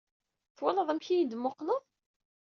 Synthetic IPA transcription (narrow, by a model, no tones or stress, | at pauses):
θwæləðˤæmçijid̪mːʊqnəðˤ